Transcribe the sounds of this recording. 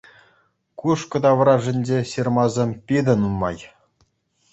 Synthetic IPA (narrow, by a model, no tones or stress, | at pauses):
kuʂkɤ̆d̪ɑʋɤ̆ɾɑʐɘ̆nʲd͡ʑeɕirmɑzʲemʲpʲid̪ʲɘ̆nunmɑ̰j